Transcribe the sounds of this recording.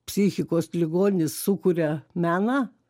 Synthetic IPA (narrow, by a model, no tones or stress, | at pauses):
pʲsʲixʲɪkoːslʲɪɡoːnʲɪssʊkuɾʲɛmʲæːnɑː